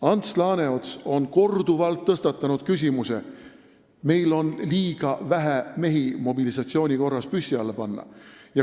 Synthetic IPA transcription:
ɑnt̪slɑːne̞ot̪so̞nko̞rd̪̥uvɑlt̪ːɤst̪ɑt̪ːˑɑnud̪̥̚kys̬ʲimuse | me̞jlo̞nliːɡ̥ɑvæɦæme̞ɦimo̞bilisɑt̪sio̞ːnʲiko̞rːɑspysʲːiɑlːepɑnːɑ̰jɑ

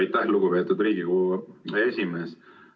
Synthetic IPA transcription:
jt̪ːæhluɡ̥upe̞ːt̪ːˑud̪riːɡikuesʲime̞ːs

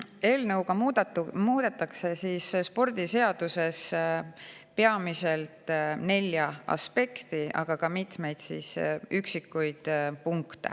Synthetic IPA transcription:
e̞ːlnɤwɡ̥ɑmuːd̪̥e̞t̪ːˑɑkse̞siːsspo̞rd̪̥ise̞ɑd̪̥use̞s | pe̞ɑmise̞lt̪ˑne̞lʲːjɑɑ̰spe̞kt̪iʔɑ̰ɡ̥ɑkɑmit̪me̞jd̪̥sḭːsyksikːˑujd̪̥puŋkt̪ḛ

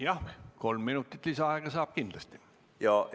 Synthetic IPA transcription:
jɑko̞lmːinut̪ːˑit̪ːˑlisɑɑeɡ̥ɑsɑːb̥̚kind̪lɑst̪i̥ | jɑ

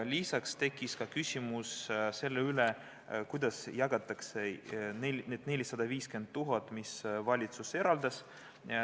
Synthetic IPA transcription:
lʲisɑkst̪e̞kːˑiskɑkysʲimusse̞lːeyle | kujd̪̥ɑsjɑɡ̥ɑt̪ːˑɑkse̞nelneːd̪ne̞lʲisɑd̪̥ɑviːske̞nd̪̚t̪ːuɦɑt̪ːˑmisvɑlʲit̪suse̞ɾɑld̪̥ɑs

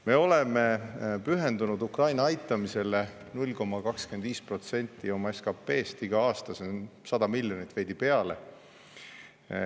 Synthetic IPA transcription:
me̞o̞le̞me̞pyɦe̞nd̪unud̪ukrɑjnɑɑjt̪ːˑɑmise̞le̞ | nulʲko̞mːɑkɑkske̞nd̪viːspro̞t̪se̞nʲt̪ːˑio̞mɑeskɑpːe̞ːst̪iɡ̥ɑɑːst̪ɑsensɑd̪̥ɑmilʲjonit̪ːˑve̞jd̪̥ipe̞ɑle̞̰

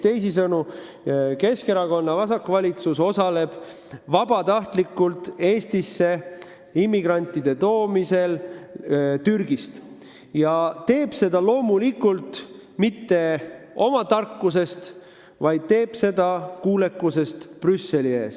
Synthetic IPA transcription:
t̪e̞js̬isɤnu | ke̞ske̞ɾɑko̞nːɑvɑsɑkːvɑlʲit̪suso̞sɑle̞b̥ | vɑb̥ɑt̪ɑht̪likːˑult̪e̞ːst̪isːe̞ | imːiɡ̥rɑnʲt̪ːˑid̪̥e̞t̪o̞ːmise̞l | t̪yrɡ̥ist̪ | jɑt̪e̞ːb̥se̞d̪̥ɑlo̞ːmulikːˑult̪ | mit̪ːe̞o̞mɑt̪ɑrkːus̬e̞st̪ | vɑjd̪̥̚t̪e̞ːb̥se̞d̪̥ɑkuːle̞kːˑuse̞st̪prysːe̞lie̞̰ːs

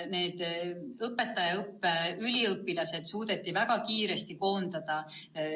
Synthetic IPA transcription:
ne̞ːd̪̥ɤpːe̞t̪ːˑɑjɑɤpːeylʲiɤpːˑilɑse̞d̪̥suːd̪̥e̞t̪ːˑivæɡ̥ɑkiːɾe̞st̪iko̞ːnd̪̥ɑd̪̥ɑ

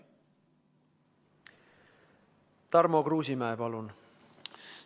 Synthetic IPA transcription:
t̪ɑrmo̞kruːsimæepɑlun

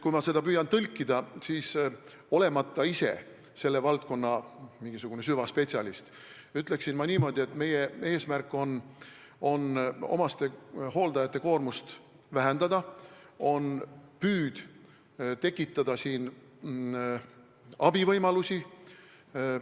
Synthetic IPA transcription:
kujmɑse̞d̪̥ɑpyːjɑnt̪ɤlʲkːˑid̪ɑsiːs | o̞le̞mɑt̪ːˑɑise̞̰ | se̞lːe̞vɑlt̪̚ko̞nːɑmiŋɡ̥isuɡ̥une̞syvɑspet̪sʲiɑlist̪ | yt̪ˑle̞ksinmɑniːmo̞d̪ie̞t̪me̞je̞e̞ːsmærkːˑo̞n | o̞no̞̰mɑst̪e̞ho̞ːld̪̥ɑjɑt̪ˑːe̞ko̞ːrmust̪ | væɦend̪ɑd̪ɑo̞npyːd̪̥ | t̪e̞kːˑit̪ːˑɑd̪̥ɑsiːn | ɑb̥ivɤjmɑlusi

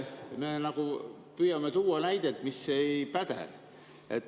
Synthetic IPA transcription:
meːnɑku | pyjɑmet̪uːɑnæjd̪̥et̪misːe̞jpæd̪̥ḛ | et̪ː

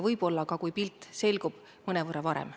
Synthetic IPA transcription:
vɤjb̥o̞lːɑkɑkujpilt̪ˑse̞lʲɡub̥ | mɤnevɤɾɑvɑɾḛm

